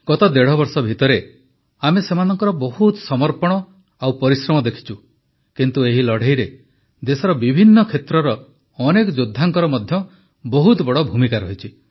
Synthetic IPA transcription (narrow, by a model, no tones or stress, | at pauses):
ɡɔt̪ɔd̪eɽ̤ɔbɔɾsɔbʱit̪ɔɾe | amesemanɔŋkɔɾɔbɔhut̪sɔmɔɾpɔɽ̃ɔ | awpɔɾisɾɔmɔd̪ekʰi̥t͡ʃʰu | kint̪ueɦilɔɽ̤eɦjɾe | d̪esɔɾɔbibʱinːɔkʰet̪ɾɔɾɔ | ɔnekɔd͡ʒud̪ʱːaŋkɔɾɔmɔd̪ʱjɔ | bɔɦut̪bɔɽɔbʱumikaɾɔɦit͡ʃʰi